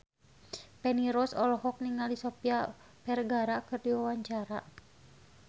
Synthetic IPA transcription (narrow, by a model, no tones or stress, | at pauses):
pɛniɾɔsɔlɔɦɔk̚niŋaldisɔpia | pɛrɡaɾakɨrdiwawaɲt͡ʃaɾa